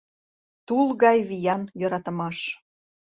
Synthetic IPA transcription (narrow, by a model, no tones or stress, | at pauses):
t̪ulˠɣɑjβijɑnjɤ̆ɾɑt̪ə̆mɑʃ